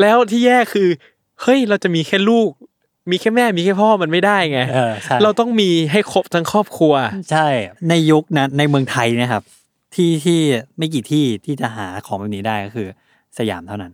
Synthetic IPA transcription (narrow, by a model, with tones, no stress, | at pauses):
lɛː˦˥wt̪ʰiː˥˩jɛː˥˩kʰɯː˧ | hɤ˦˥˩jɾa˧wt͡ɕa˨˩ʔmiː˧kʰɛː˥˩luː˥˩k̚ | miː˧kʰɛː˥˩mɛː˥˩miː˧kʰɛː˥˩pʰɔː˥˩ma˧nma˥˩jdaː˥˩jŋaː˦˥˧a˥˩ɾa˧wt̪ɔ˥˩ŋmiː˧ɦa˥˩jkʰo˦˩p̚t̪ʰa˦˧˥ŋkʰɔː˥˩p̚kʰu˧ɐt͡ɕʰa˥˩jna˧jːu˦˥k̚naː˦˥a˧jmɯ˧əŋt̪ʰa˧jna˦˥˩kʰa˦˥p̚ | t̪ʰiː˥˩t̪ʰiː˥˩ma˥˩jk̬iː˨˩t̪ʰiː˥˩t̪ʰiː˥˩t͡ɕa˨˩ʔɦaː˩˦kʰɔː˩˦mbɛː˧˩p̚niː˦˥daː˥˩jkɔː˥˩kʰɯː˧ | sa˧ja̰ː˩˦mt̪ʰa˥˩na˦˥n